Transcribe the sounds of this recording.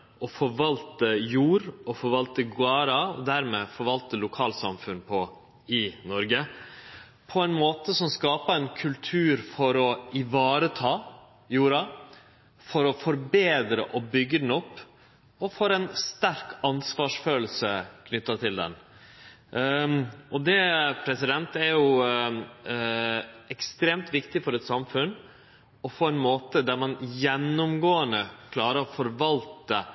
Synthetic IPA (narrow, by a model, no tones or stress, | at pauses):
ɔfɔɾʋɑlt̪əjuːɾɔfɔɾʋɑlt̪əɡʊɑːɾɑɔd̪æɾmeːfɔɾʋɑlt̪əlʊkʰɑːlsɑ̰mfʉnpʰɔ | ɪnɔɾɡə | pʰɔɛɪnmoːt̪əsɔmskɑːpɑɛnkʰʉlt̪ʰʉːɾfɔɾɔɪʋɑːɾət̪ʰɑː | juːɾɑ | fɔɾɔfɔɾbeːd̪ɾə̰ʔɔbʏɡəd̪n̩ɔpː | ɔfoːɾɛnst̪æɾkɑnsʋɑːʂføːll̩səkʰnʏt̪ːɑt̪ʰɪld̪ɛ̰n | ʔɔd̪ɛpʰɾɛsɪd̪ɛnt̪æɾjʊ | ɛkst̪ɾeːmt̪ʋɪkt̪ɪfɔɾɛt̪sɑmfʉn | ɔfʰoːɛnmoːt̪əd̪æɾmɑnjɛnːʊmɡoːənəkʰlɑːɾəɾfɔɾʋɑlt̪ə